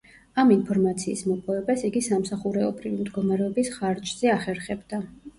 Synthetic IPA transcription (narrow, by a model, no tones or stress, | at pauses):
aminpʰɔɾmat̪sʰḭːsmɔpʼɔɛbasiɡisamsaχuɾɛɔbɾivimd̪ɡɔmaɾɛɔbisχaɾt͡ʃʼz̥ɛaχɛɾχɛbd̪a